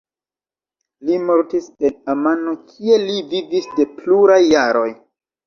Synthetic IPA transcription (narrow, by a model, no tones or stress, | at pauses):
limo̞ɾtise̞namanokʰie̞livivisde̞pluɾajːaɾo̞j